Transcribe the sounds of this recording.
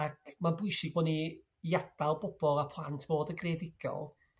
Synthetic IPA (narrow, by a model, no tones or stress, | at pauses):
akʰmanbʊjsɪɡ̚bɔːni | jad̥alˠbɔb̥ɔlˠapʰlˠantʰv̥oːdəɡredɪɡ̥ɔ̰lˠ